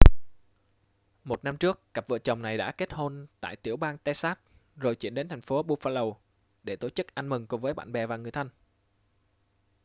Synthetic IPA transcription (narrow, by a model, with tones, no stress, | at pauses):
mo˨˩t̚na˧mt͡ɕɨ˦˥əkːa˨˩p̚vɨ̰˧˨t͡ɕə˨˩wŋ͡mna˨˩jɗa̰ː˧˥ke˦˥t̚ho˧nt̪a̰ː˧˨jt̪i˧˩əwɓaː˧nt̪ɛ˧saː˦˥t̚ | zo˨˩jt͡ɕḭ˧˥ənɗe˨˦nt̪ʰa˨˩ŋ̟fo˨˦ɓu˧faː˧lə˨˩w | ɗe˧˩t̪o˧˩t͡ɕɨ˦˥k̚ʔa˧nmɨ˨˩ŋkvəː˨˦jɓa̰ː˧˨nɓɛ˨˩vaː˨˩ŋɨ˨˩əjt̪ʰə˧n